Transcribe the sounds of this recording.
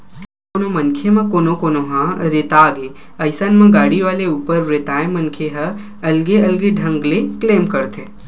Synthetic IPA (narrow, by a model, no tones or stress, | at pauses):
koːnomɐnkʰemɐ̃koːnõkoːnoɦãɾeːt̪aːɡe | ɐɪsənmɐ̃ɡaːɽiʋaːleuːpəɾɾet̪aːẽmɐnkʰeɦɐ | ɐlɡeɐlɡeɖʱɐ̃ŋɡlekleːmkɐɾt̪ʰeː